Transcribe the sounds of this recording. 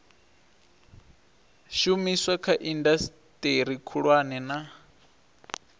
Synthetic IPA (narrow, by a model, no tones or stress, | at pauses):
ʃumiswakʰaʔindas | tʼeɾikʰuɺwanɛna